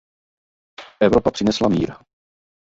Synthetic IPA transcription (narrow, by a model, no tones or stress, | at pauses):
ʔɛvɾopapr̝̥ɪnɛslamiːɾ